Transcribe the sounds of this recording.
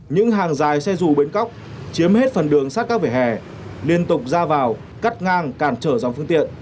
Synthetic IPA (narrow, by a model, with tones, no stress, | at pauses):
ɲɨ̰˧˥ŋɦaː˨˩ŋzaː˨˩jsɛ˧zu˨˩ɓe˨˦nka˦˥wk͡p̚ | t͡ɕi˨˦əmhe˦˥t̚fə˨˩nɗɨ˨˩əŋsaː˦˥kaː˦˥vi˧˩hɛ̰˧˩ | li˧ənt̪ʊ˨˩k͡p̚zaː˧vaː˨˩w | ka˦˥t̚ŋaː˧ŋkaː˧˩nt͡ɕəː˧˩zɔ˨˦wŋ͡mfɨ˧əŋt̪ḭ˧˨ən